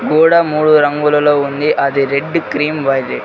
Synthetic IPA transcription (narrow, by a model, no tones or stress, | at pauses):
ɡoːɽamuːɻuɾɐŋɡulɐloːund̪iʔɐðɯɾɛɖːɯkɾiːmʋɐːjd̪ɯ